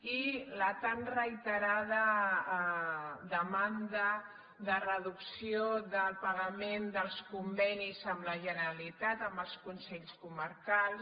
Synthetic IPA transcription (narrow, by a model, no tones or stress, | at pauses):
ilət̪anrəit̪əɾað̞ə | d̪əmand̪ə | ðərəðuksioðəlˠpəɣəmend̪əlˠskumbɛnizəmləʒənəɾəlit̪at̪əmbəlˠskunsɛʎskuməɾkalˠs